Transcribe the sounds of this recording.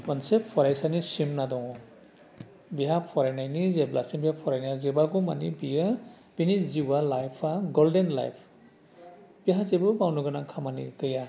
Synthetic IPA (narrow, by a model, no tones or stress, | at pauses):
wansepʰːɔɾajsanisimnadɔŋɔ | biɦapʰɔɾajnajnizeblasiŋbihapʰɔɾajnazebaɡuma̰nḭbijɯ | b̥iniziwalajpʰaɡɔldenla̰jpʰ | b̥iɦazebɯbawnuɡɯnakʰamanḭɡɯja